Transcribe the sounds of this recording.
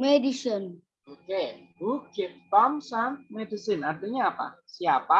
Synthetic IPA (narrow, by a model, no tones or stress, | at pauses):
medisɔn | okebuket̚t̪ɔmsanmedisinad̪əɲaːpa̰siapa